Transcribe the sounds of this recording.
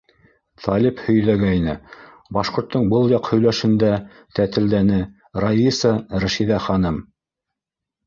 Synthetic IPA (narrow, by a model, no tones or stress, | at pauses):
t̪ɑlʲiphɵ̆jðæɡæinɘ | bɑʃqŏɾt̪ːɤɴbɤlˠjɑqhɵ̆jlæʃɘ̆nd̪æ | t̪æt̪ɘ̆ld̪ænɘ | rɑisɑɾæʃiðæχɑnɤm